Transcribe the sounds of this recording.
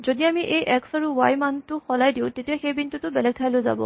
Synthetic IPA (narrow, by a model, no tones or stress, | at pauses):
zodiamiʔejʔɛksaɹuwajmantʊxɔlajdiʊ̃tetiaxejbintutʊbɛlɛk̚tʰajlojza̰bɔ̰